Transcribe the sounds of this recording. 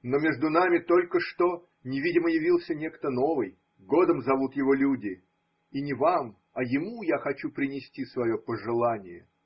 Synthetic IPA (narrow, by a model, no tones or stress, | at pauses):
no̞mʲe̞ʐd̪ʊnamʲɪt̪o̞lʲkəʂt̪o̞ | nʲɪvʲidʲɪməjɪvʲilˠsʲənʲekt̪əno̞vɨj | ɡo̞d̪əmzɐvut̪jɪvo̞lʲudʲɪ | inʲɪvam | ɐjɪmujaxɐt͡ɕupɾʲɪnʲɪsʲtʲisvɐjo̞pəʐɨlˠanʲɪjə